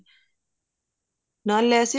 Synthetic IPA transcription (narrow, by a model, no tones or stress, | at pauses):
nalɛːsi